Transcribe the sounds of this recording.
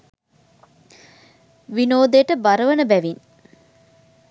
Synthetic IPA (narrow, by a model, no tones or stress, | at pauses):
ʋinoːd̪ejʈəbaɾəʋənəbæʋin